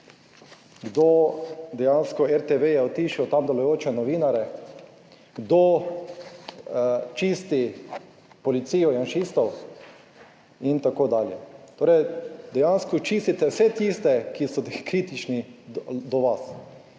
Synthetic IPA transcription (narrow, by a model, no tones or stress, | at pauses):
ɡd̪od̪ɛjanskɔɛɾt̪eʋejɛɔt̪iʃiɔt̪amd̪ɛlɔjoːt͡ʃɛnɔʋiːnaɾɛ | ɡd̪o | t͡ʃist̪i | pɔlit̪siːjɔjanʃist̪ɔw | int̪akoːd̪aːljɛt̪oːɾɛjd̪ɛjanskɔt͡ʃiːst̪it̪ɛwsɛt̪ist̪ɛkisɔkɾiːt̪it͡ʃnid̪ɔʋas